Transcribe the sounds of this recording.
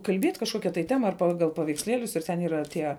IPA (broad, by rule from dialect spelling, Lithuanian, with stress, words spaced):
kɐlʲˈbʲiɛt kɐʃˈkoːkʲɛ tɐɪ ˈtʲæːmɐ ɐr ˈpɑːɡɐlˠ pɐʋʲɛɪksʲˈlʲiɛlʲʊs ɪr ˈtʲɛn iːˈrɐ ˈtʲiɛ